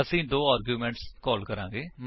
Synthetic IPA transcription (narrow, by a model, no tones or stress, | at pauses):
əsĩːd̪oːaːɾɡjuːmɛ̃ːɳʈskɔːlkəɾãːŋɡeːm